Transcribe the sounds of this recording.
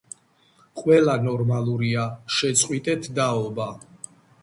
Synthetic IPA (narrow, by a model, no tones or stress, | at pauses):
qʼwɛlanɔɾmalˠuɾiaʃɛt̪sʼqʼwit̪ʼɛt̪ʰd̪aɔba